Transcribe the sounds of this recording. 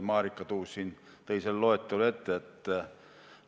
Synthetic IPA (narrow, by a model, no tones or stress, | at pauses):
mɑːrikːɑt̪uːssin | t̪eiselloet̪ːolet̪ːeet̪ːæ